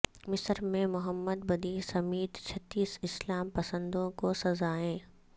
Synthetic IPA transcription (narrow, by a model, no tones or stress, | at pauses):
mɪsəɾmẽmʊɦəmːəd̪̚bɐd̪iːsɐmiːt̪t͡ʃʰɐt̪ːiːsɪslaːmpɐsə̃nd̪õkosɐzaːẽː